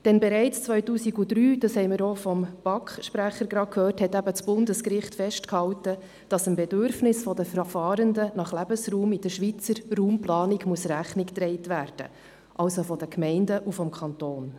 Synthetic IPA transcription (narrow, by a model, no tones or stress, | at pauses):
d̥ɛnbɛɾɛɪt͡st͡sʋœʏtuːsiɡudɾyːd̥ɑshɛɪməɾofɔmb̥ɑkχʃpɾæχəɾɡɾɑkʰhøːrthɛtæbət͡sb̥ʊndəskɾɪχtfɛʃtkhɑwtə | d̥ɑsəmbɛdøɾfnɪsfɔdəfɾfɑːɾəndənɑχlæbəsɾuːmid̥əʃʋit͡səɾruːmplɑːnɪɡmuəsræχnɪkt̪ɾɛɪtʋæːɾd̥ə̰ | ʔɑwsofɔd̥əkmɛɪndəʔufɔmkʰɑnt̪oːn